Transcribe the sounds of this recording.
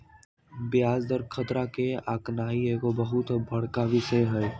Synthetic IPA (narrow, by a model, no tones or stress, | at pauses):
bjaːzd̪əɾkʰət̪ɾakeaːknaːiekobɐɦʊt̪bʱɐɽ̤kaʋɪsəjɦɛː